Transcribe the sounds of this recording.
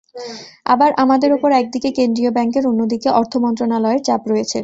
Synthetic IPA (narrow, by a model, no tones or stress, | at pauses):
a̰baɾʔamad̪eɾopoɾɛk̚d̪ikekend̪ɾiobɛŋkeɾonːod̪ikeʔɔɾt̪ʰomɔnt̪ɾonalɔeɾt͡ɕapɾɔjet͡ɕʰḛ